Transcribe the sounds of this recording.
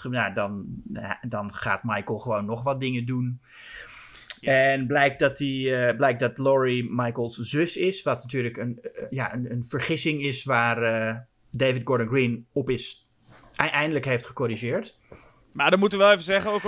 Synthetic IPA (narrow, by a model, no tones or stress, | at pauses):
nadɔn | dɑnχa̰ːtmajkəlˠχəʋownːɔχʋɑt̚dɪŋədun | ɛnblɛjk̚dɔtiblɛjk̚dɑtlɔɹimajkəlˠszøsɪsʋɑtnatyːɹləkənjaʔənənvəɹχɪsɪŋɪsʋaːrə | dejvɪd̚ɡɔɹdənɡrinɔpɪs | ɛjndələkɦejftχəkoɾiʒɪːɹt | maːdɔmutəʋəʋɛlˠeːvəzɛχənok